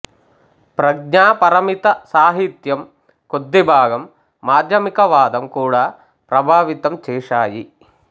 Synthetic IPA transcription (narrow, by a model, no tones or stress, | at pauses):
pɾɐɡ̚ɲaːpɐɾɐmit̪ɐsaːɦit̪jɐm | kod̪ːibʱaːɡɐmː | aːd̪ʱjɐmikɐʋaːd̪ɐmkuːɽaː | pɾɐbʱaːʋit̪ɐmt͡ʃeːʂaːji